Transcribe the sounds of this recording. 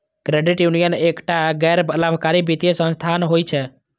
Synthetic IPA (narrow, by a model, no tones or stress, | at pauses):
kɾeɖiʈjunijənekʈaɡɛːɾbəlamkaɾibit̪ijesə̃nst̪ʰanɦojt͡ʃʰɛ